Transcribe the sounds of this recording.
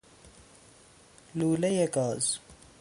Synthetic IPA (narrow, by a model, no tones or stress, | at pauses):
luːlejekɔːz